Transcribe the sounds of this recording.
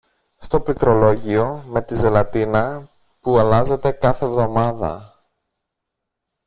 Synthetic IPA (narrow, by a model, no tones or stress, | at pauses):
st̪o̞plit̪ɾo̞lo̞ʝio̞me̞t̪ize̞lɐt̪inɐ | puɐlɐze̞t̪e̞kɐθe̞vðo̞mɐðɐ̰